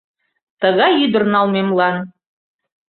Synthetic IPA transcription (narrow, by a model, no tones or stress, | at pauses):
t̪ɤ̆ɣɑjyd̪ə̆rnɑlˠmemlˠɑn